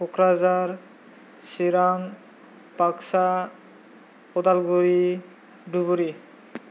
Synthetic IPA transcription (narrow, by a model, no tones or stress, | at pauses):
pokɾazaɾ | siɾan | paksa | ɔd̪alɡuɾi | ɖubuɾi